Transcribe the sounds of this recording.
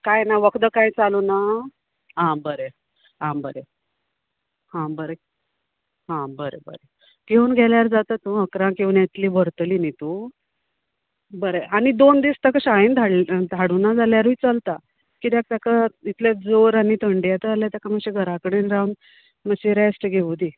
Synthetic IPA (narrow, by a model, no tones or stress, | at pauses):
kajnaʋəkd̪əkãjt͡saluna | ɦãbəɾe | ãbəɾe | hãbəɾe | ɦãbəɾebə̰ɾe | ɡʱeunɡʱɛljaɾd͡zat̪ət̪ũəkɾãkĩwnjat̪liːbəɾt̪linit̪u | bəɾeʔañid̪ond̪ist̪akaɕaind̪ʱaɽd̪ʱaɽunad͡zaljaɾuit͡səlt̪a | kit̪jak̚t̪akait̪ljad͡zoɾanit̪ʰəɳɖijat̪əaljat̪jakaməɕeɡʱəɾakəɽenɾawn | məɕeɾesʈɡʱeʋd̪i